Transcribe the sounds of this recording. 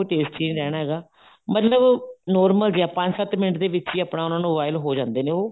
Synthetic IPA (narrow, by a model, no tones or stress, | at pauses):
oʈeːsʈt͡ʃeːnɾɛːɽ̃aːɦɛːɡaː | mət̪ləbnɔːɾməld͡ʒjaːpə̃ɲd͡ʒsət̪mɪnəʈd̪eːʋɪt͡ʃiːaːpnaːʊnãːnũːʋaːɪlɦoːd͡ʒãːnd̪eːnẽːoː